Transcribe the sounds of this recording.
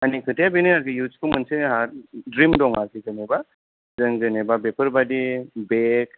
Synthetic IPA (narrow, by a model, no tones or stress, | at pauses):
anikʰəʈijabinəaɾkɯjud͡ʒkumənseɦaɾdɾimdɔŋaziɡəneba | zəŋɡənebabepəɾbadibek